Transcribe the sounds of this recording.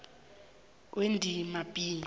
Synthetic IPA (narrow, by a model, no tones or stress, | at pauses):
wendʱimabʼiːn